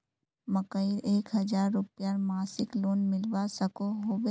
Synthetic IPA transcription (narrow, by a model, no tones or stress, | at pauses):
məkəiɾeːkɦɐd͡ʒaːɾːʊpjaɾmaːsɪkloːnmɪlʋasəkoɦoːbe